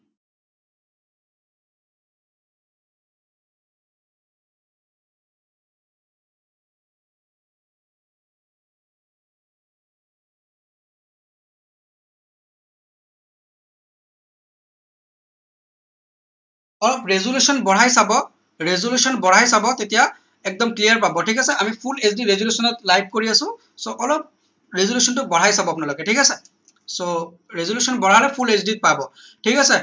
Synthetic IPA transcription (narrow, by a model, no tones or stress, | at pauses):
ɔlɔpɹezolusɔnbɔɽ̤ajsabɔ | ɹezolusɔnbɔɹajsabɔtetija | ɛk̚dɔmklijaɹpabɔtʰikasɛʔamipʰulezdiɹezulusɔnɔtlajb̚ʰʱkoɹiasʊ̃ | soʔɔlɔp̚ | ɹezolusɔntʊbɔɹ̤ajsabɔapunalokɛtʰikasɛ | so | ɹezolusɔnbɔɹaɹɛpʰulezdit̚pabɔ | ʈʰikasɛ